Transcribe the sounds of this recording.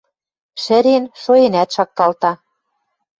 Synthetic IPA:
ʃɘ̆ɾenʃoenæt̪ʃɑk̚t̪ɑlt̪ɑ

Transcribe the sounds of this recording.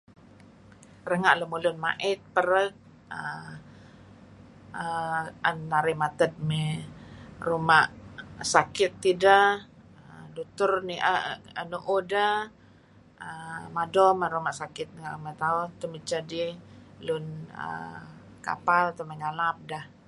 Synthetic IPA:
rəŋaʔləmulʊnma̰ʔɪt̪̚pəɾək̚ | ə | əənːaɾɪmat̪ət̪̚me | rumaʔsakɪt̪ːida | ədut̪ʊrniʔəʔə̰nuʔuda | əmadɔməɾumaʔsakɪt̪̚ŋaʔmət̪aʊt̪əmit͡ʃadilʊnə̰ka̰palt̪əməŋalap̚dah

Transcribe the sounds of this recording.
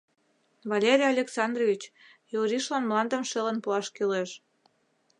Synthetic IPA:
βɑlʲeɾʲijɑlʲeksɑnd̪rovʲit͡ɕ | joɾiʃlɑnmlɑnd̪əmʃelənpuɑʃkyleʃ

